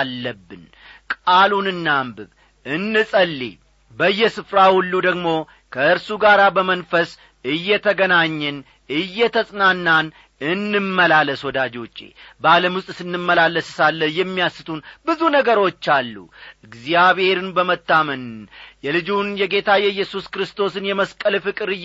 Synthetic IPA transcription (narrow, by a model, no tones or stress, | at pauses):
lːəbːɨn | kʼalunɨnːambɨβ | ʔɨnːɨsʼəlːḛ | bəɨjːɛsɨfɾahulːud̪əɡmo̞ | kʰəɨɾsuɡaɾabəmənfəs | ɨjːɛt̪ʰəɡənaɲːɨn | ɨjːɛt̪ʰəsʼnanːan | ɨnːɨmːəlaləswɔd̪ad͡ʒo̞t͡ʃʼːḛbaləmwʊstʼsɨnːɨmːəlalːəsɨsalːəjɛmːijasɨt̪ʰunbɨzunəɡəɾo̞t͡ʃːalːṵʔɨɡzijaβhe̞ɾɨnbəmət̪ːamənjɛlɨd͡ʒunjɛɡe̞t̪ʰajɛjːɛsuskɾɨst̪ʰo̞sɨnjɛməskʼəlfɨkʼɨɾɨ